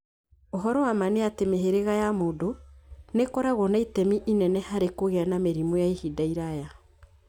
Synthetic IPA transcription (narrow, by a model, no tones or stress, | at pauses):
oɦɔɾɔwamaneatemeɦeɾeɣajamoːdonekɔɾaɣɔnaitɛmiʔinɛnɛhaɾekoɣeanameɾimojaihidaiɾaja